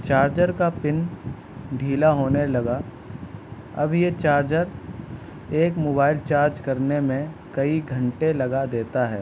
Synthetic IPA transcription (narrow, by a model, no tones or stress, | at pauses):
t͡ʃaːɾd͡ʒəɾkapɪn | ɖʱiːlaɦoːnelɐɡa | ɐ̰bjet͡ʃaːɾd͡ʒəɾ | eːkmoːbaːɪlt͡ʃaːɾd͡ʒkɐɾnemẽkɐiɡʱɐ̃ɳʈelɐɡad̪eːt̪aɦɛ̰ː